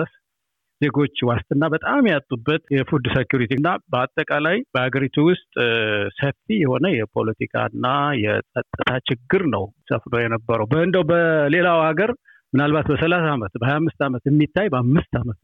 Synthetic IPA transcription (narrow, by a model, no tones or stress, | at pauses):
əs | z̥e̞ɡo̞t͡ʃːwast̪ʼɨnːabət̪ʼamjat̪ʼːubːət̪jɛfud̪sekjuɾit̪ʰenːabəat̪ʼːəkʼalajb̥əhaɡəɾit̪ʰuwʊst̪ʼsəfijɛho̞nəjɛpʰo̞̰lət̪ʰikʰa̰ɨnːajɛsʼət̪ʼːɨt̪ʰat͡ʃɪɡːɨɾnəwsəfnəwjɛnəbːəɾəwbəɨnd̪əwbəle̞lawhaɡəɾ | mɨnalbat̪bəsəlasaːmət̪bəhajamːɨst̪amət̪jɛmːit̪ʰːajbəamːɨst̪ʰamət̪